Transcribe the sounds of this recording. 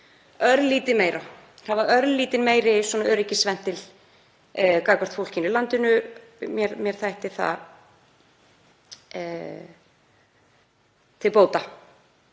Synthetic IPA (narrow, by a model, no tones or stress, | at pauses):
œɾðlːiːt̪ɪmeːjɾa | havaœɾðlːiːt̪ɪnmeːjɾɪswɔnaœːɾɪcːɪsvɛn̥t̪ːɪl | kaːkḁt̪fowl̥cɪnɪlant̪ɪnʏmjɛɾmjɛɾ̥θajht̪ɪθa̰ | t̪ʰɪlpoːwt̪a